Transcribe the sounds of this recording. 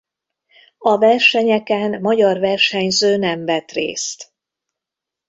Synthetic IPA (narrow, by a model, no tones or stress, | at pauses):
ɒvɛrʃɛɲɛkɛnːɒɟɒrvɛrʃɛɲzøːnɛmvɛt̪rḛːst̪